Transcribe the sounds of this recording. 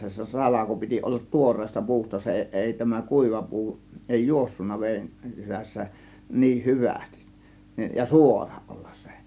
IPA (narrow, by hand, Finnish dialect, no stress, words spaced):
se sɑlɑko piti olːɑt tuorˑeːstɑ pu̞ustɑ se eˑi tæmæ kuˑiʋɑ pu̞u eˑi juosːunːɑ ʋeːn sisæsːæ niːh hyʋæsti̥s jɑ suorɑ̥ ʔo̥l̥ːɑ̥s se̥